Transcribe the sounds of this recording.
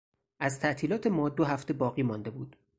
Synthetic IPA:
ʔæzt̪ʰæʔt̪ʰiːlɒːt̪ʰe̞mɒːd̪oɦæft̪e̞bɒːɣiːmɒnd̪e̞buːd̪̥

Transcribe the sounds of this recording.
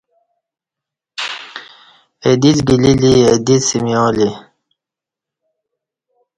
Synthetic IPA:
ed̪it͡sɡililied̪it͡ssimjoːli

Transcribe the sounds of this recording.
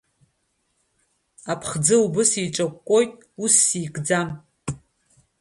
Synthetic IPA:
apʰχd͡zɨlubɨsiʈ͡ʂʼɐkʷʼkʷʼojtʼusːiːkʼd͡zam

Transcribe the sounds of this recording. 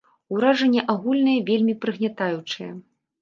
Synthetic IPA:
uɾaʐɐnʲːɛʔaɣulʲnɐjɐvʲelʲmʲipɾɨɣnʲat̪ajut͡ʂɨjɐ̰

